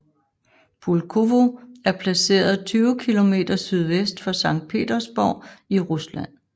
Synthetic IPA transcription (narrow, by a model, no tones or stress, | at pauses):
b̥ulkʰo̝ʋo̝æɐpʰlæse̝̰ːɐðˠt͡sʰyːʊkʰilo̝me̝̰ːd̥ɐsyð̞ˠʋesd̥fɒ̽sɑ̈ŋ̰d̥̚pʰe̝̰ːd̥ɐsb̥ɒʊ̰iʁuslæn̰